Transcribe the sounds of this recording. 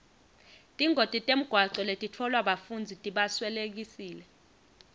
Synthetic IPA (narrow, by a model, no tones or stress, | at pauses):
tʼiŋɡʱotʼitʼem̩ɡ̥ʱwaǀɛletʼitʰɔlwaɓafund͡zʱitʼiɓaswɛlek̬isiːlɛ